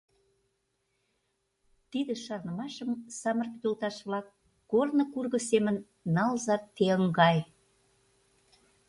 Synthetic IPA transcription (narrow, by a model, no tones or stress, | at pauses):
t̪id̪ə̆ʃɑrnə̆mɑʃəmsɑmərt̪yt̪olt̪ɑʃβlɑk̚ː | ornŏkurɣə̆semə̆nː | ɑlzɑt̪ːeəŋɡɑj